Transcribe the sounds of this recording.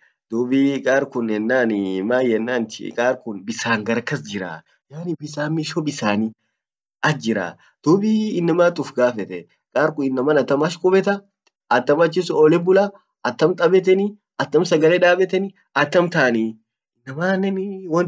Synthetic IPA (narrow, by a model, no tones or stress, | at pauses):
d̪̥uːbikʼaːɾkʊnɛnːaːnmaːjɛnːaːnt̪ɪ̰kʼaːɾkʊnbɪsaːŋɡɐɾɐkːɐsd͡ʒɪɾa̰ː | jaːnɪbɪsaːmːɪʃoːbɪsaːni | ɐd͡ʒɪɾa̰ː | d̪̥uːbiɪnːɐmaːt̪ʼʊfɡaːfɛt̪ɛ | kʼaːɾkʊɪnːɐmɐːnɐt̪ːɐmɐʃkʼʊbɛt̪ɐ | ɐt̪ːɐmɐt͡ʃːɪs̬ʊɔːlɛbʊlɐ | ɐt̪ːɐmt̪ʼɐbɛt̪̬ɛni | ɐt̪ːɐmsɐɡɐlɛᶑ̪aːbɛt̪ɛnɪ | ɐt̪ːɐmt̪aːni | ɪnːɐmaːnɛnwɐn